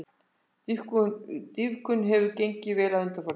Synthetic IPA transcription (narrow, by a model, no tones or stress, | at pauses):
ikt̪iðkʏnɦɛvʏcejɲcɪvɛːlaðʏnt̪aɾfɔɾ